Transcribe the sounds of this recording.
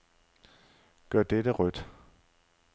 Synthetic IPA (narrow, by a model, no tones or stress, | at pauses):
ɡ̥ɶɐ̰d̥edəʁœd̥